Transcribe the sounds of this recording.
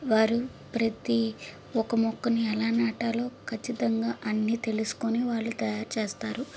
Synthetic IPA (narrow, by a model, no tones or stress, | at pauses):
ʋaːɾu | pɾɐt̪i | ɔkɐmɔkːɐniɛlaːnaːʈɐlo̞ːkʰɐt͡ʃːit̪ɐŋɡaːʔɐnːiːt̪e̞lusu̥koniʋaːɭːut̪ɐjaːɾt͡ʃeːst̪aːɾu